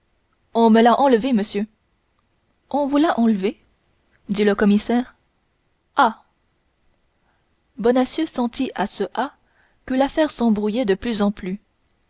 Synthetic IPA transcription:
ɔ̃məlaʔɑ̃ləveməsjø | ɔ̃vulaʔɑ̃ləve | d̪iləkɔmisɛːʁ | a | bɔnasjøsɑ̃t̪iʔasəʔa | kəlafɛʁsɑ̃bʁujɛd̪əplyzɑ̃ply

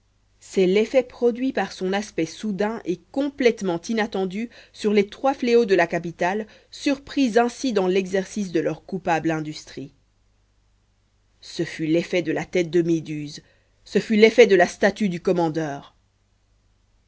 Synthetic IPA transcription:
sɛlefɛpχɔd̪ɥipaʁsɔ̃naspɛsud̪ɛ̃ʔekɔ̃plɛt̪mɑ̃t̪inat̪ɑ̃d̪ysyʁlet̪χwafleod̪əlakapit̪al | syʁpχizɛ̃sid̪ɑ̃lɛɡzɛʁsis̬d̪əlœʁkupablɛ̃d̪yst̪χi | səfylefɛd̪əlat̪ɛt̪̚d̪əmed̪yz | səfylefɛd̪əlast̪at̪yd̪ykɔmɑ̃d̪œːʁ

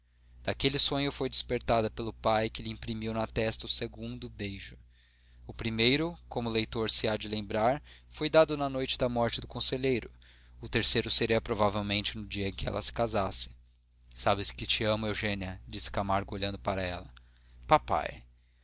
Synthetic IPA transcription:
d̪̥akelɪsõɲʊfojd͡ʒɪspeɾt̪ad̪ɐpelʊpajkɪlɪĩpɾimiwnɐt̪ɛst̪ɐʊseɡũnd̪ʊbejʒʊ | ʊpɾimejɾʊkõmʊlejt̪oɾsɪad͡ʒɪlẽmbɾaɾfojd̪ad̪ʊnɐnojt͡ʃɪd̪ɐmɔɾt͡ʃɪd̪ʊkõseʎejɾʊ | ʊt̪eɾsejɾʊseɾiɐpɾovavewmẽnt͡ʃɪnʊd͡ʒiɐẽkɪɛ̰lʔɐ̰sɪ̥kazasɪ̥ | sabɪskɪt͡ʃiɐ̃mʊewʒẽniɐd͡ʒisɪ̥kamaɾɡʊoʎɐ̃nd̪ʊpaɾɐɛ̰lɐpapa̰j

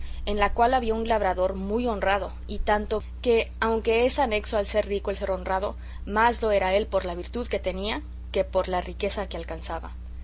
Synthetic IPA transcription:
e̞nlakwalaβiaunlaβ̞ɾaðo̞ɾmujo̞nraðo̞ | it̪ant̪o̞ | ke̞awŋke̞esane̞kso̞alse̞ɾrikoelse̞ɾo̞nrað̞o̞̰ | mazlo̞e̞ɾae̞lpo̞ɾlaβiɾt̪uðke̞t̪e̞nia | ke̞po̞ɾlarike̞sake̞alkansaβa̰

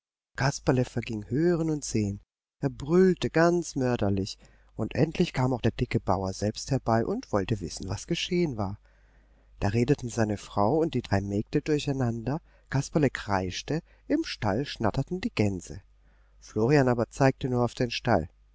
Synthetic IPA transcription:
kʰaspaləfɛɐɡɪŋhøːʁənʊntz̥eːən | ʔeːɐbʁʏltəɡant͡smœɐdɐlɪç | ʔʊntʔɛntʰlɪçkʰaːmaʊxd̥eːɐd̥ɪkəbaʊɐzɛlpst̚hɛɐbaɪʔʊntv̥ɔltəvɪ̰sn̩vasɡ̥əʃeːənvaːɐ | d̥aːʁeːdətn̩zaɪnəfʁ̥aʊʊnt̚d̥iːdʁaɪmɛːk̚tədʊɐçaɪnandɐ | kʰaspaləkʁ̥aɪʃtə | ʔɪmʃtalʃnatɐtn̩diːɡɛnz̥ə̰ | floːʁianaːbɐt͡saɪk̚tənuːɐaʊfd̥eːnʃta̰l

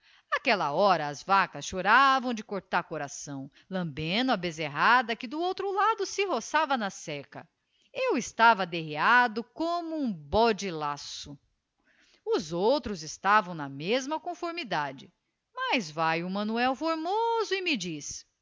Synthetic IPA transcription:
akɛlɐ̰ɔɾɐːzvakɐsʃoɾavɐ̃w̃d͡ʒɪkoɾt̪aɾkoɾasɐ̃w̃ | lɐ̃mbẽnʊabezeɦad̪ɐkɪd̪ʊowt̪ɾʊlad̪ʊsɪɦosavɐnɐsɛkɐ̰ | ewɪst̪avɐd̪eɦead̪ʊkõmʊũbɔd͡ʒɪlasʊ | ʊzowt̪ɾʊzɪst̪avɐ̃w̃nɐmezmɐkõfoɾmid̪ad͡ʒɪ | mazvajʊmɐ̃nuɛwfoɾmozʊɪmɪd͡ʒis

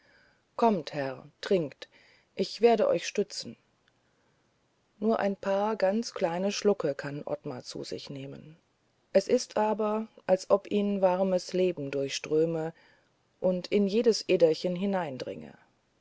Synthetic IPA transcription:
kʰɔmthɛʁtʁ̥ɪŋkt | ʔɪçv̥eːɐɾəʔɔ̰ʏçʃtʏt͡sn̩ | nuːɐʔa̰ɪnpʰaːɐɡant͡skl̥aɪnəʃlʊkəkʰanʔɔ̰tma̰t͡sṵːzɪ̰çneːmə̰n | ʔɛsʔɪstʔaːbɐʔalsʔɔpʔiːnvaʁməsleːbm̩dʊɐçʃtʁ̥øːmə | ʔʊntʰɪnjeːdəsʔeːdɐçənɦɪnaɪndʁɪ̰ŋə̰

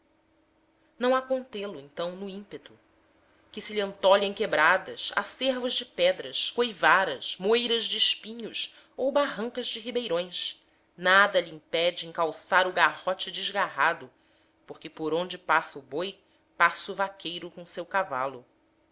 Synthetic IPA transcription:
nɐ̃w̃akõnt̪elʊẽnt̪ɐ̃w̃nʊĩpet̪ʊ̥ | kɪsɪliɐ̃nt̪ɔʎẽj̃kebɾad̪ɐʃa̰seɾvʊʒd͡ʒɪpɛd̪ɾɐʃkojvaɾɐʃmojɾɐʒd͡ʒɪːʃpĩɲʊʃ | owbaɦɐ̃ŋkɐzd͡ʒɪɦibejɾõj̃s | nad̪ɐʎiĩŋpɛd͡ʒɪẽŋkawsaɾʊɡahɔt͡ʃɪd͡ʒɪzɡaɦad̪ʊ | poχkɪpoɾõnd͡ʒɪpasɐuboj | pasuvakʰejɾʊkõsewkava̰lʊ

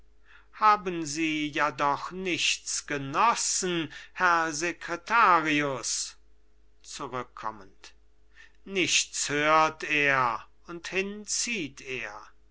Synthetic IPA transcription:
haːbənziːjadɔχnɪʃt͡sɡ̥ənɔsn̩hɛɐzekʁetʰaːʁiʊs | t͡suʁʏkʰːɔ̰mənt | nɪʃshøːɐteːɐ | ʊnthɪnt͡siːtʰeːɐ

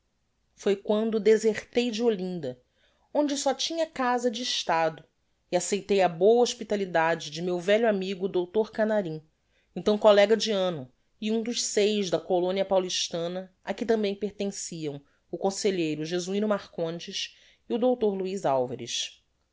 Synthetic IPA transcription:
fojkwɐ̃nd̪ʊd̪ezeɾt̪ejd͡ʒɪolĩnd̪ɐ | õd͡ʒɪsɔt͡ʃĩɲɐkazɐd͡ʒɪːʃt̪ad̪ʊ | iasejt̪ejɐbowɐoʃpit̪alid̪ad͡ʒɪd͡ʒɪmewvɛʎʊamiɡʊd̪owt̪oɾkanaɾĩ | ẽnt̪ɐ̃w̃kolɛɡɐd͡ʒiɐ̃nʊ | iũd̪ʊʃsejʒd̪ɐkolõniɐpawliʃt̪ɐ̃nɐ | ɐkɪt̪ɐ̃mbẽj̃peɾt̪ẽsiɐ̃w̃ | ʊkõseʎejɾʊʒezuĩnʊmaχkõnt͡ʃɪʃ | iʊd̪owt̪oɾluizawvɐɾɪ̰ʃ

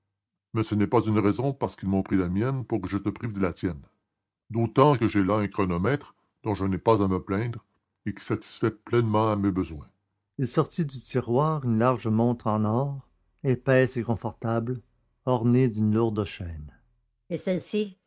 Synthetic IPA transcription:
mɛsənɛpazynʁɛzɔ̃paʁsə̥kilmɔ̃pʁilamjɛnpuʁkəʒət̪əpʁivd̪əlat̪jɛn | d̪ot̪ɑ̃kəʒelaɛ̃kʁɔnɔmɛt̪χ | d̪̥ɔ̃ʒənɛpazaməplɛ̃d̪ʁ | ekʲi̥sat̪i̥sfɛplɛnmɑ̃amebəzwɛ̃ | ilsɔʁt̪id̪yt̪iʁwaːʁynlaʁʒəmɔ̃t̪χɑ̃nɔːʁ | epɛsekɔ̃fɔʁt̪abl | ɔʁned̪ynluʁd̪əʃɛːn | esɛlsi

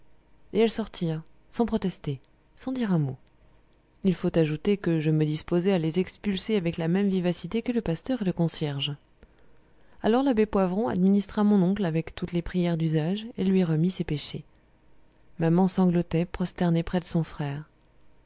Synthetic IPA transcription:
eɛlsɔʁt̪ʰiʁ | sɑ̃pχɔt̪ɛst̪e | sɑ̃d̪iʁɛ̃mo | ilfot̪aʒut̪ekəʒəməd̪ispozɛalezɛkspylseavɛklamɛmvivasit̪ekələpast̪œʁeləkɔ̃sjɛʁʒ | alɔʁlabepwavʁɔ̃a̰d̪minist̪χamɔ̃nɔ̃klavɛkt̪ut̪lepχijɛʁd̪yzaʒelɥiʁəmisepeʃe | mamɑ̃sɑ̃ɡlɔt̪ɛpχɔst̪ɛʁnepχɛd̪əsɔ̃fχɛːʁ

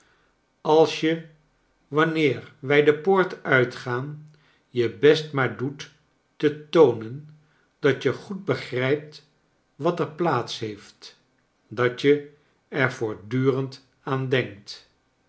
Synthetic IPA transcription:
ɑlˠsjə | ʋɑnɪːɹʋɛjdəpoːɹtœɥtχaːn | jəbɛstmaːɹdutː | ətownən | d̥ɑtjəχud̚bəχrɛjp̚t | ʋɑtəɹplaːtsɦejft | dɑt͡ʃjə | ɛɹvʊːɹdyːrənt | aːndɛŋk̚t

